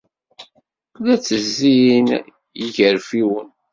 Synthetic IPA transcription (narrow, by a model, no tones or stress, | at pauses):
kːlæt͡sːəzziin | jəʝəɾfiwən